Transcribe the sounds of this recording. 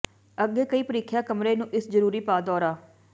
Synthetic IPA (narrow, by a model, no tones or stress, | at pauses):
əɡːeːkəiːpəɾiːkʰjaːkəmɾeːnũːʔɪsd͡ʒəɾuːɾiːpaːd̪ɔːɾaː